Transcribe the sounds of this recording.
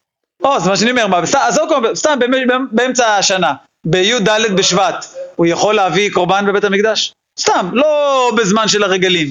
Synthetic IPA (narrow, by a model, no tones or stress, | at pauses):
o̞zemaʃ̬eaniome̞ʁmabst̪aazokobst̪ambembbeemt͡saʃana | bejud̪aled̪̚beʃvat̪ujaχo̞lːeaviko̞ʁbanbebet̪amikd̪aʃ | st̪amlobezmanʃe̞laʁeɡalim